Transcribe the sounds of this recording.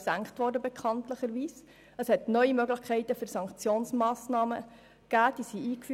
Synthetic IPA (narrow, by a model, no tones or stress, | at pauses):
sæŋkχtʋɔɾdəbɛkʰɑntləχəɾʋiːs | əshɛtnœʏimøɡləxkʰɛɪtəfʏɾsɑŋkt͡sjoːnsmɑːsnɑːmə̰ | ɡ̥æːd̥isiʔiːkfy